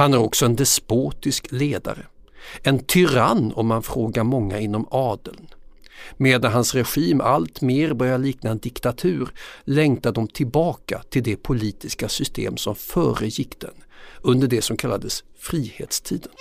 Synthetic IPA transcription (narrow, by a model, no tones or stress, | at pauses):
hanæɾɔksɔɛnd̪ɛspoːt̪ɪskleːd̪a̰ɾə̰ | ɛnt̪ʰʏɾanːɔ̰mhanfɾoːɡamɔŋːaɪn̪ːɔmɑːd̪əln | meːd̪anɦansɾɛɧiːma̰lt̪meːɾbœɾjad̪liːknaɛnd̪ɪkt̪at̪ʰʉ̟ːɾlɛŋt̪ad̪ɔmt̪ʰɪlbɑːka̰t̪ʰɪld̪ɛpʰʊliːt̪ɪskasʏst̪ʰḛːmsɔmfœ̰ːɾəjɪkːd̪ɛ̰nɵnd̪əɖɛsɔmkʰalːa̰d̪əsfɾiːhḛːt̪st̪ʰiːd̪ən